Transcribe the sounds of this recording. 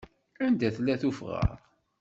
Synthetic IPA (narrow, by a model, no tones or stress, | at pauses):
ænd̪æθlːæθufʁə̰ɾˤ